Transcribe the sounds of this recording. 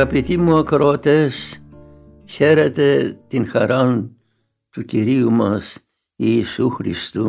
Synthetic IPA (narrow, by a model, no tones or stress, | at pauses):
ɐpit̪imuɐkɾoɐt̪es | çeɾet̪e̞t̪inxɐɾɐn | t̪uciɾiumɐs | iːsuxɾḭst̪u